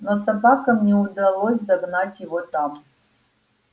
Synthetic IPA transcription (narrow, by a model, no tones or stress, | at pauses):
nosabakɐmnʲɛud̪ɐlˠosʲd̪ɐɡnatʲjɪvot̪ʼam